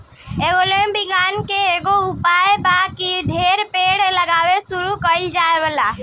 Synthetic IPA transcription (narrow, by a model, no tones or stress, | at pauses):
eɡolembiɡankeːɡoupaebakiɖʱeɾpeɽləɡaʋesuɾukəid͡ʒaebəla